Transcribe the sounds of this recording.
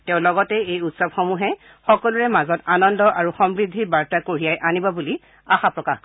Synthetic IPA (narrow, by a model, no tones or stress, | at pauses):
teʊ̃lɔɡɔtɛejutsɔbxɔmuɦɛ | xɔkɔluɹɛmazɔtanɔndɔʔaɹuxɔmbɹidʱːibaɹtakoɹijajʔanibɔbuli | axapɹɔka̰x